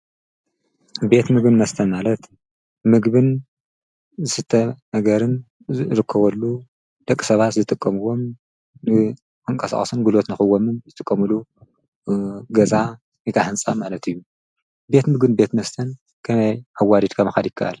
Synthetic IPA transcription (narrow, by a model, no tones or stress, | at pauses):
be̞t̪mɨɡbɨnmɐst̪ʰɐnmalɐt̪ | mɨɡbɨn | zɨsɨt̪ʰːɐnɐɡɐɾɨn | ɾɨkʰːɐβɐlːu | d̪̥ɐkʼːi̥sɐβat̪zɨt̪ʼɨkʼːɐmɨwo̞m | nɨ | kʰɨŋkʼɐsa̰χʼɐsɨnɡulo̞t̪nɨxɨwːomɨnzɨt̪ʼɨkʼːɐmɨlu | ɡɐza | ikʰaħɨnsʼamalɐt̪ɨjːu | be̞t̪mɨɡbɨnbe̞t̪mɐst̪ʰɐn | kʰɐmɐjʔawːad̪id̪kʰɐmɐxad̪jɪkʰːɐʔa̰l